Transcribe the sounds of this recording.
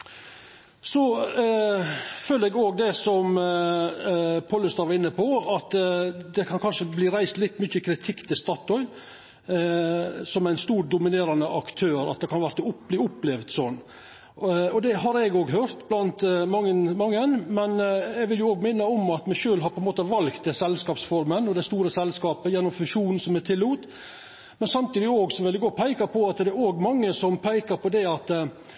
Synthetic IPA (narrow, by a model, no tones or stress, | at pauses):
sɔ | føːləɾɛɡoːɡ̚d̪ɛsɔm | pʰɔlːəst̪ɑːʋɑɾɪnːəpʰɔɑt̪d̪ɛkʰɑnkʰɑnʂəbliːɾæɪst̪lɪt̪ːmʏçːəkʰɾɪt̪ʰɪkːt̪ʰɪlst̪ɑt̪ɔʏ | sɔmæɪnst̪uːɾd̪ʊmɪneːɾɑnəʔɑkt̪ʰøːɾɑ̰t̪̚d̪ɛkʰɑnʋæɾt̪əʊpliːʊpːlɛʋd̪sɔnː | ɔd̪ɛɦɑɾɛɡoːɡɦøːɾt̪blɑnt̪mɑŋːənmɑŋːənmɛnɛɡʋɪljʊoːɡmɪnːəɔmɑt̪mɛʃøːlɦɑɾpʰɔɛnmoːt̪əʋɑlkt̪̚d̪ɛsɛlskɑːpsfɔɾmənɔd̪æɪst̪uːɾəsɛlskɑːpəjɛnːɔmfʉʂuːn̩sɔmæt̪ʰɪlːuːt̪ | mɛnsɑmt̪iːd̪ɪoːɡsɔʋɛlɪɡɔpʰæɪkɑpʰɔɑt̪d̪ɛæɾoːɡmɑŋːəsɔmpʰæɪkɑɾpʰɔd̪ɛɑt̪